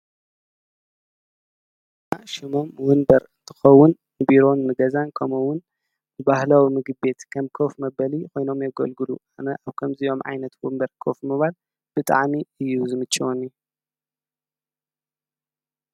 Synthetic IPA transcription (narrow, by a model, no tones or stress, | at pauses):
a̰ʃɪmo̞mwʊnbɐɾɨnt̪ʰɨ̥xɐwːʊn | nɨbiɾo̞nmɨɡɐzankʰɐmɐwʊn | ɨbahlawimɨɡɨbe̞t̪kʰɐmkʰofmɐbɐlikʰo̞jno̞mjɛɡɐ̰lɡɨluanɐʔaβkʰɐmzijo̞mʕa̰jnɐt̪wunbɐɾkʰofmɨβal | b̥ɨt̪ʼa̰ʕmiɨjːuzɨmɨt͡ʃʼːiwuniju